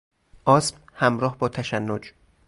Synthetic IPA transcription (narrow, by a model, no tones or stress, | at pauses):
ʔɒːsmhæmɾɒːhbɒːt̪ʰæʃænːod͡ʒ